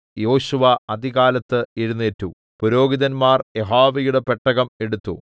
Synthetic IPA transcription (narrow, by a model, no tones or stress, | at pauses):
jo̞ːɕuʋɐɐd̪iɣaːlɐt̪ːɨiɾunːetːu | puɾo̞ːɡiðɐnmaːre̞ɦaːʋɐjuɽe̞pe̞ʈːɐɣɐme̞ɽut̪ːu